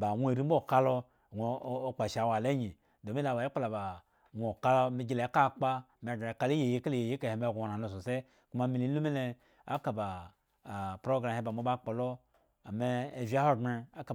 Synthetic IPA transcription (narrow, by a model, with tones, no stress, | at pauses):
ba˨wʷo˦e˨ɾi˦m̩˦o˦˨ka˦lo˧˨ | ɡʷo˦o˦k͡pa˨ʃa˨˦˨wa˨le˦ɲi˨ | do˨mi˦la˨ba˨˦i˦k͡pa˦la˨ba˨ | wʷka˦lo˦mi˨ɡi˨le˨˦ka˦˨k͡pa˦˨m˨ka˦li˦je˨je˦ke˦le˨je˨je˦e˨he˨m˦˨ɡʷna˨no˨s̬o˨se˦ | ku˦ma˦mi˨˦li˦lu˦mi˦le˦ | a˦ka˨ba˨ | pɾo˦ɡɾa˨e˦ba˨mo˦ba˦k͡po˨lo˦ | a˨meː˦˨vi˦a˦ho˦˨ɡe˧a˦ka˨